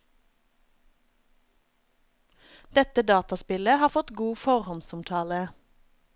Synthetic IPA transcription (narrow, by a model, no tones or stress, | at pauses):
d̪̥ɛt̪əd̪ɑːt̪ɑspɪləhɑːʁfɔt̪ɡuːfɔʁhɔnsʊmt̪ʰɑːlə